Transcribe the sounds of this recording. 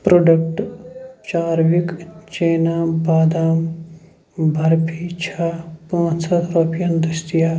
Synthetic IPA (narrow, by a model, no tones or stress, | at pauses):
pɾoːɖɐk̚ʈt͡ʃaːɾʋikt͡ʃeːnaːbaːd̪aːm | bʱɐɾpʰiːt͡ʃʰapãːt͡ʃsɐt̪ɾoːpijɐnd̪ɐst̪ijaː